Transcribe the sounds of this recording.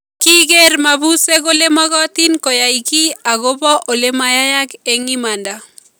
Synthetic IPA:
ki˦ɡe˦rma˨bu˦se˦ɡo˦le˦mɔ˦ɡɔ˦t̪i˦nkɔ˨ja˨i˨ki˦a˨ɡo˦bɔ˦ʔo˨le˦ma˨ja˦ja˦ke˨ŋi˦ma˨nda˨

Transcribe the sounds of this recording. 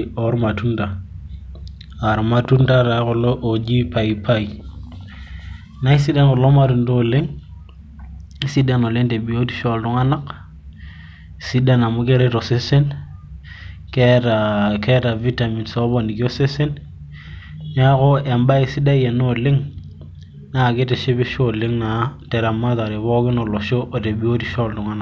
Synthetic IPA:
o˦ɾma˨tu˦nda˨ | a˨ɾma˨tu˦nda˦ta˨˦ko˨lo˦ʔo˨d͡ʒi˦pa˨jpʰa˦i˨ | na˦i˦si˦da˦nko˨lo˦ma˦tu˨ndo˦˨le˦ŋ | i˦si˦da˦no˨le˦ŋte˨bi˨o˦ti̥˦ʃo˨ldu˦ŋa˦na˦k | si˦da˦na˨mu˦ke˦ɾe˦to˨se˦se˦n | keɾake˦ta˨vi˦ta˨mi˨nso˦bo˨ni˨ki˦o˦se˦se˦n | ɲa˦ko˦e˨mba˦i˨si˦da˦je˨no˦lɪ˦ŋ | na˨kɪ˦te˨ʃe˦be˦ʃo˦lɪ˦ŋna˨te˨ɾa˨mːa˦ta˨ɾe˨βo˦kɪ˦no˨lo˨ʃo˦ʔo˨te˨bi˨o˦ti˦ʃɔ˦ltʊ˨ŋa˦na˨

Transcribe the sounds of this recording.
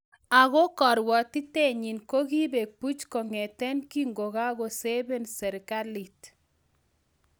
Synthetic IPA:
a˨ɣɔ˦kɔ˨ɾwɔ˨ti˦te˦ɲi˨nko˦ki˦be˨k̚pu˦t͡ʃko˨ŋɛ˨tɛ˦nki˦ŋɡo˨ɣa˦ɡo˨se˦bɛ˦nsɛ˨ɾka˦li˨t

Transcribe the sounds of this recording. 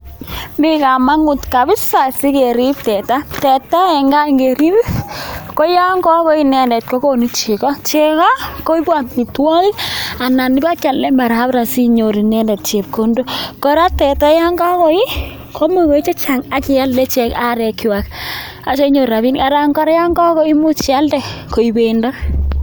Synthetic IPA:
mi˦ka˨ma˦ŋʊ˨tka˨bɪ˦sa˨si˦ke˨ɾi˦p̚tɛ˨ta˦tɛ˨ta˦ɛ˨ŋɡa˦iŋɡeɾi˦bko˦ja˦ŋɡɔ˦kɔ˦i˨nɛ˨ndɛ˨t̚ko˦ko˦ni˦t͡ʃi˨kɔ˦t͡ʃɛ˦ka˦ko˦i˦bwa˨ntni˨twɔ˦ki˦a˨na˨ni˦ba˦ka˨llɛ˦ma˨ɾa˦pɾa˨si˦ɲo˨ɾi˨nɛ˦ndɛ˨t̚t͡ʃe˨p̚ko˦ndo˦kɔ˦ɾa˦tɛ˨ta˦ja˦ŋɡa˦kɔ˦i˦ | kʰo˦mu˦ko˨i˦t͡ʃe˦t͡ʃa˨ŋa˦ki˨a˦ldɛ˦t͡ʃɛ˦ka˦ɾɛ˨kːi˨wa˨k | a˨t͡ʃe˦ɲo˨ɾa˨βi˦nka˨ɾa˦ŋɡɔ˦ɾja˦ŋɡɔ˦kɔ˦i˦mu˦t͡ʃa˦ldɛ˨ko˨ibendɔ˦

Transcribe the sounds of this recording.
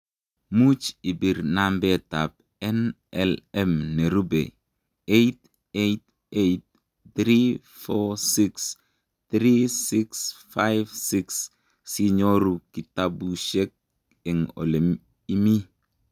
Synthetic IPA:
mu˦t͡ʃi˨bi˨ɾnambe˦tap̚ | ɛ˦n | ɛlɛmne˨ɾu˦bḛ˨ | ejt | ejt̚ | ejt̚ | dɾi | fɔsiks | tɾisiksfajvsiks | si˦ɲo˦ɾu˨ki˨tabuʃe˦k̚ | e˨ŋo̰˨le˨m | i˦mi˦

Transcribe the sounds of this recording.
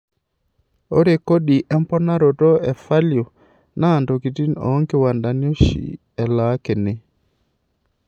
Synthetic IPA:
o˦ɾe˨ko˦ɗi˨ʔɛ˦mpɔ˦na˦ɾɔ˨tɔ˦ɛ˨fa˦ljo˨ | naː˦˨ndo˨ki˨ti˦nɔ̰˨˦ŋɡi˦˨wa˨nda˨njo˦ʃḭ˨ | ɛ˨la˨˦kɛ˨nɛ˨

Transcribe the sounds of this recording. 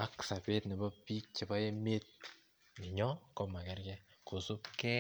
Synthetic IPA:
a˦ksa˨pe˦tne˨ba˦pi˦t͡ʃi˨ba˦je˦me˦t̚ | ni˨ɲɔ˦kɔ˦mːa˨ke˨ɾke˦ | ko˨su˦pke˦

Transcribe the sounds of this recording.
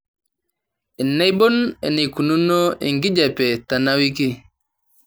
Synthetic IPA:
ɛ˨nːa˦jbɔ˦nɛ̰˨ni˨ku˨nu˦nːɔ˦ʔɛ̰˨ŋɡi˦d͡ʒa˨pɛ˨ta˨na˦wi˦ki˦

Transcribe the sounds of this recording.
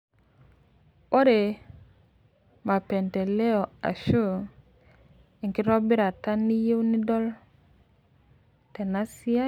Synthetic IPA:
o˦ɾe˨ | ma˨pe˨nte˨le˦ɔ˨a̰˨ʃu˦ | i˨ŋki˦ɾɔ˦bi˦ɾa˨ta˦nːi˦je˦wni˦dɔ˦l | te˨na˦si˦a˦

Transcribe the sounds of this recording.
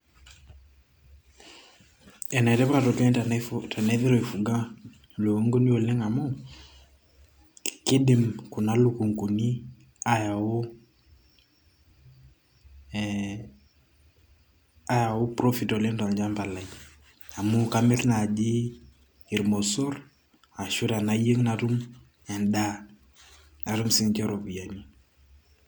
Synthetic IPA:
ɛ˨na˨ɛ˨tɛ˦pa˦tɔ˨kɛ˦ta˨na˦ðɪ˦ɾɔ˨i˨fu˨ɡa˦ | lo˨o˦ŋɡo˦ni˦o˨le˦ŋa˨mo˦ | kɪ˦dɪ˨mku˨na˦lu˦ku˨ŋku˨ni˦ | a˦ja˨o˦ | a˦ja˨ʊ˦pɾo˦fi˨tɔ˨lɪ˦ŋta˨nd͡ʒa˦mba˨la˨i | a˨mʊ˦ka˦mɛ˦tna˨d͡ʒiː˦˨ | ɾmɔ˨sɔ˦r | a˨ʃu˦ɾa˨na˦je˦ŋna˨tu˦m | ɛ˨nda˦ | a˨ɾu˦msɪ˦ŋkɛ˦ɾo˨pu˨ja˨ni˦

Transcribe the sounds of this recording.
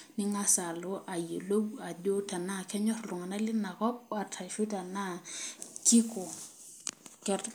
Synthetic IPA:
ni˦ŋa˦sa˨lo˦ʔa˨je˨lo˦wa˨do˦ta˨na˦˨kʰɛ˦ɲɔ˦rlu˨ŋa˨na˦li˦na˨kɔ˦p̚a˨tʰa˨ʃu˦ta˨na˦t͡ʃi˦kɔ˨ | kɛ˦t

